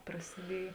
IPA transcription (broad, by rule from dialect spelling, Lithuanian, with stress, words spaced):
prɐsʲɪˈdʲiɛj